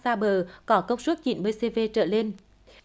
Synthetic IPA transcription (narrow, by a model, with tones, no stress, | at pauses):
saː˧ɓəː˨˩kɔ˨˦kə˧wŋ͡msu˦˥t̚t͡ɕḭ˧˩˨nɓəː˧jse˧ve˧t͡ɕə̰ː˧˨le˧n